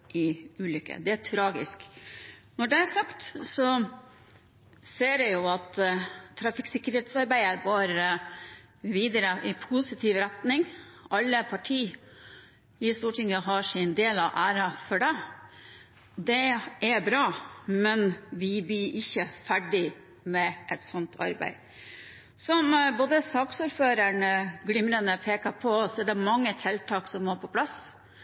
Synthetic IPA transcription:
ʔɪʉːlʏkːə̰d̪ɛæʈʰɾɑːɡɪ̰sk | nɔɖɛæɾsɑkt̪sɔ | seːɾɛjʊɑt̪ʰːɾɑfɪːksɪkːəɾheːt̪sɑɾbæɪəɡoːɾ | ʋiːd̪əɾəʔɪpʰusɪt̪ʰiːʋɾæt̪nɪŋɑlːəpʰɑʈʰiː | ɪst̪uːʈɪŋəɦɑʂɪnd̪eːlɑʋʔæːɾɑfɔɖɛ | d̪ɛʔæbɾɑːmɛnʋɪbiːʔɪçːəfæɖɪ | mɛʔɛt̪sɔnt̪ʰɑ̰ɾbæ̰ɪ | sɔmboːd̪əsɑːksuːɾføːɾəɳəɡlɪmɾənəpʰeːkɑpʰɔsɔɛd̪ɛmɑŋːət̪ʰɛlt̪ʰɑːksɔmːoːɾpʰɔpʰlɑs

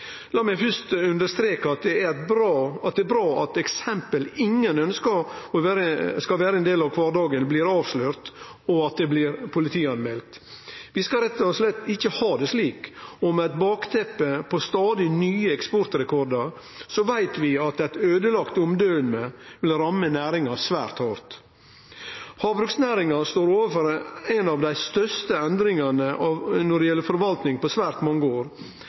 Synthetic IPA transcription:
lɑːmæɪfʏst̪ʉnd̪əst̪ɾeːkəɑt̪̚d̪ɛæbɾɑt̪̚d̪ɛbɾɑːɑt̪ɛksɛmpəlɪŋːənœnskəɾɔʋæɾəskɑʋæːɾəɛnd̪eːlɑʋkʰʋɑːɾd̪ɑːɡənblɪɾɑːʋsløːɾt̪ɔɑt̪̚d̪ɛblɪɾpʰʊlɪt̪ʰiːɑnmɛlt̪ | ʋɪskɑɾɛt̪ːɔslɛt̪ːɪçːəhɑːd̪ɛsliːkɔmæɪt̪bɑːkt̪ʰɛpːəpʰɔst̪ɑːd̪ɪnyːəɛkspɔɾt̪ɾɛkʰɔɾd̪ɑɾ | sɔʋæɪt̪ʋɪɑt̪ɛt̪øːd̪əlɑkt̪ʊmd̪øːənmeʋɪlɾɑmːənæːɾɪŋɑsʋæːɾt̪hɑɾt̪ | hɑːbɾʉksnæːɾɪŋɑst̪oːɾoːʋəfɔɾæɪnɑʋd̪æɪst̪œst̪əɛnd̪ɾɪŋɑnəʔɑnɔɖɛjɛlːəɾfɔɾʋɑlt̪nɪŋpɔsʋæːɾt̪mɔŋːəoːɾ

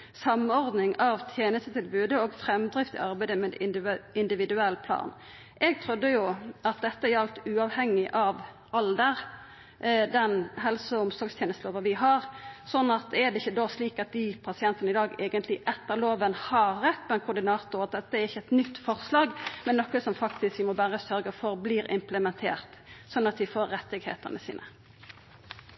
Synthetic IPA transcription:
sɑmɔɾd̪nɪŋɑʋt̪ʰjeːnəst̪ət̪ʰɪlbʉːd̪əoːɡfɾɛmd̪ɾɪft̪ɪ̰ɑʁbæɪd̪əmɛd̪ɪɪnd̪ɪʋɪd̪ʉɛlːpʰlɑ̰ːn | ʔɛɡ̚t̪ʰɾʉd̪ːəjʊɑt̪̚d̪ɛt̪ːəɛjɑlt̪ʉːɑʋhɛŋːɪʔɑʋ | ɑld̪əɾ | d̪ɛnɦɛlsɔɔmsɔɾɡst̪jeːnəst̪əloːʋəʋɪɦɑɾsɔnːɑt̪̚ɛd̪ɛɪçːəd̪osliːkɑt̪̚d̪ɪpʰɑsɪɛnt̪ənɪd̪ɑːɡeːɡənt̪lɪʔɛt̪ːəɾloːʋənhɑɾːɛt̪ːpʰɔɛnkʰʊɾd̪ɪnɑːt̪ʊɾɑt̪̚d̪ɛt̪ːəɛɾɪçːəɛt̪nʏt̪ːfɔʁslɑːɡmɛnːɔkəsɔmfɑkt̪ɪskʋɪmɔbæːʁəsœɾɡəfɔɾbliːɾɪ̰mpləmɛnt̪ʰeːʁt̪sɔnːɑt̪̚d̪ɪfoːɾːɛt̪ːɪɡhḛːt̪ənəsḭːnə̰

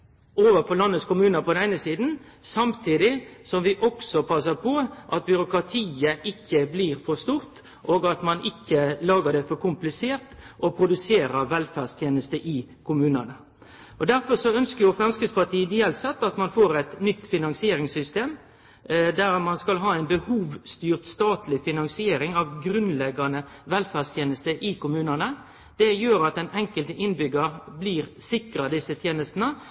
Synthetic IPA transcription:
oːʋəfɔlɑnːət̪skʊmʉːnəpɔd̪ɛnæɪnəsiːd̪n̩ | sɑmt̪ʰiːd̪ɪsɔmʋɪʔɔksɔpʰɑsəpʰɔʔɑt̪̚bʏɾʊkɾɑt̪ʰiːəʔɪkʰːəbliːɾfɔst̪uːɾt̪ | ʔoːɡɑt̪mɑnɪkːəlɑːɡəd̪ɛfɔɾkʰʊmplɪseːɾt̪ʔɔpʰɾʊd̪ʉseːɾəɾʋɛlfæʁst̪ʰjeːnəst̪əʔɪkʰʊmʉːnənə | ɔd̪æɾfɔʁsɔœnskəɾjʊfɾɑnskəspɑʈ̪iːəd̪ɪjɛlsɑt̪ːɑt̪mɑnfoːɾɛt̪nʏt̪ːfɪnɑŋsɪeːɾɪŋsʏst̪eːm | d̪æʁmɑnskɑlɦɑːæɪnbəhuːʋst̪yːʁt̪st̪ɑːt̪ʰlɪfɪnɑŋsɪeːɾɪŋɑʋɡɾʉnlɛɡːɑnəʋɛlfæːʁst̪ʰjeːnəst̪əʔɪkʊmʉːnɑnə | d̪̥ɛjøːɾɑt̪ɛnɛŋkəlt̪əʔɪnbʏɡəɾbliːɾsɪkɾɑd̪ɪsːət̪ʰjeːnəst̪nə

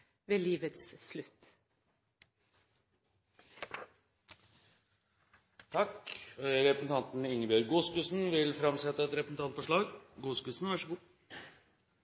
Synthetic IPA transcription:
ʋeːliːʋət̪sslʉt̪ː | t̪ʰɑkɾɛpɾəsn̩t̪ɑnt̪nɪŋːəbjøɾɡuːskʉːsn̩ʋɪlfɾɑmsɛt̪ːəɛt̪ɾɛpɾəsn̩t̪ʰɑnt̪fɔʂɭɑːɡɡuːskʉːsn̩ʋæʂəɡuː

